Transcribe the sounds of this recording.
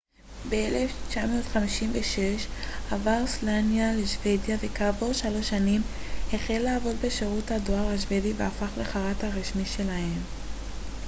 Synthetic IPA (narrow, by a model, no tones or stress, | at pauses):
beeleft͡ʃamootχamiʃimveʃe̞ʃavaʁslanjaleʃve̞djave̞kaːvo̞ʃalo̞ʃanim | heχelːaːvo̞dbe̞ʃeʁuthado̞aʁhaʃ̬ve̞diveafaχleχaʁathaʁiʃmiʃe̞lahe̞m